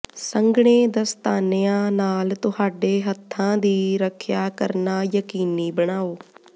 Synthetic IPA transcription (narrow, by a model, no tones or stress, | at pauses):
səŋɡɳ̃eːd̪əst̪aːnejãːnaːlt̪ʊhaːɖeːɦət̪ʰːãːd̪iːɾəkʰjaːkəɾnaːjəkiːniːbəɽ̃aːoː